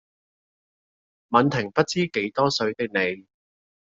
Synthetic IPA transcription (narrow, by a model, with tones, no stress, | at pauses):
mɐ˨˧nt̪ʰɪ˨˩ŋpɐ˥t̚t͡siː˥ke˨˥jt̪ɔː˥sɵ˨˧ɥt̪ɪ˥k̚ne˨˧j